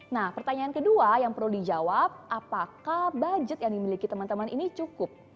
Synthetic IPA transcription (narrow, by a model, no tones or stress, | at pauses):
nahpərt̪aɲaːnkəduajaŋpərludid͡ʒawap̚ʔapakahbad͡ʒət̪̚jaŋdimilikit̪əmant̪əmaninit͡ʃukʊp̚